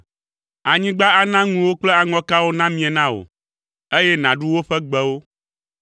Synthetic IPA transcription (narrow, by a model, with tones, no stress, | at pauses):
a˨ɲĩ˦ɡ͡ba˦a˨nã˦ŋũ˨wo˦k͡plɛ˦a˨ŋɔ̃˦ka˦wo˦nã˦mĩ˦a˨nã˦o̰˨ | e˦jɛ˦nã˨ɖu˦wo˦ɸɛ˦ɡ͡bɛ˦wo˦